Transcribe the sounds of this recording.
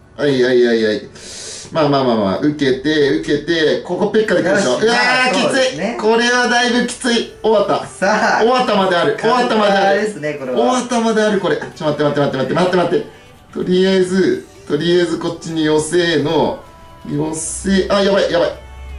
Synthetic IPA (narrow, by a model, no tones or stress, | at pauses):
aiaiaiai | maːmaːmaːma̰ʔɯ̟ke̞t̪e̞ɯ̟ke̞t̪e̞ko̞kopːe̞kːad̪ekʲimaɕoːakʲit͡sɨiko̞ɾe̞βad̪aibɯ̟kʲi̥t͡sɨi | oβat̪ːaoβat̪ːamad̪e̞aɾɯ̟oβat̪ːamad̪eaɾɾɯ̟oβat̪amad̪e̞aɾɯ̟ko̞ɾeat͡ɕomat̪ːemat̪ːmat̪ːemat̪ːemat̪ːemat̪ːe̞ | t̪o̞ɾʲijazɨ | t̪o̞ɾʲijazɨko̞t͡ɕːiɲijo̞se̞ːno̞ | jose̞ːʔajabaijabai